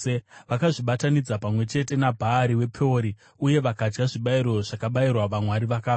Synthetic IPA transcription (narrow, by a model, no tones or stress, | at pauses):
ʋakaʐiɓatanid͡zapamwe̞t͡ʃe̞te̞nabʱaːɾiwe̞pʰoɾi | uje̞ʋakad͡ʒɡaʐiɓaiɾo̞ʐakaɓairwaʋamwaɾiʋakaː